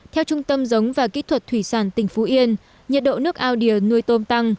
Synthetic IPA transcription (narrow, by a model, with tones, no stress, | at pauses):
t̪ʰɛ˧wt͡ɕʊ˧ŋ͡mt̪ə˧mzə˨˦wŋ͡mvaː˨˩kḭ˦˧˥t̪ʰwə˨˩t̚t̪ʰwi˧˩saː˧˩nt̪ï˧˩ŋ̟fo˨˦ʔi˧ən | ɲə˨˩t̚ɗo̰˧˨nɨ˦˥ək̚ʔaː˧wɗi˧˩ənu˧əjt̪o˧mt̪a˧ŋ